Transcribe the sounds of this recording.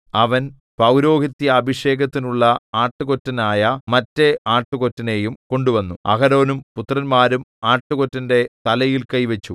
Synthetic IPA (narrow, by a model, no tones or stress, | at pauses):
ɐʋɐn | pɐwɾo̞ːɡit̪ːjɐːbʱiʂe̞ːɡɐt̪ːinuɭːɐaːʈːuɣo̞tːɐnaːjɐmɐtːe̞aːʈːuɣo̞tːɐne̞ːjumko̞ɳɖuʋɐnːuɐ̰ɣɐɾo̞ːnumput̪rɐnmaːɾumaːʈːuɣo̞tːɐnde̞t̪ɐlɐjilkɐjʋɐt͡ɕːu